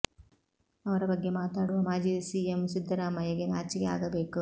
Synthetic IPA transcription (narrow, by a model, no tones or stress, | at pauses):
ɐʋɐɾɐbɐɡːe̞maːt̪aːɽuʋɐmaːd͡ʒiːɐsiːemsid̪ʱːɐɾaːmɐjɐɡenaːt͡ʃikea̰ːɡɐbe̞ːku